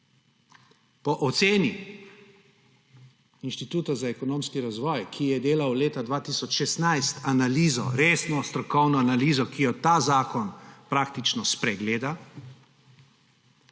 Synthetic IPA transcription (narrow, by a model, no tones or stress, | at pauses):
pɔʔɔt̪seːni | inʃt̪it̪uːt̪azaɛkɔnoːmskiɾazʋɔːjkʰijɛd̪eːlawleːt̪ad̪ʋaːt̪iːsɔt͡ʃʃɛst̪najst̪analiːzɔ̰ɾeːsnɔst̪ɾɔkɔwnɔanaliːzɔkijɔt̪aːzaːkɔnpɾaːkt̪it͡ʃnɔspɾɛɡleːd̪a